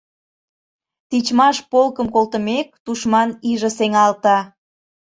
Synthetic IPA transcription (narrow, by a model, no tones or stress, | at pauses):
t̪it͡ɕmɑʃpolkəmkolt̪ə̆mek̚t̪uʃmɑniʒə̆seŋɑlt̪ɑ